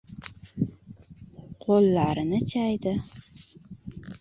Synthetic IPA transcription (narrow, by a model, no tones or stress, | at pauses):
qʰolːaɾɪnɪt͡ʃʰajd̪ɪ